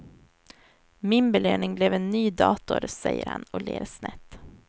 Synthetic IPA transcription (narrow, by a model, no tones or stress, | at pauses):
mɪnbɛløːnɪŋblɛvɛnːyːd̪ɑːt̪ʊɾsɛjːəɾhanɔlḛːɾsnɛt̪ː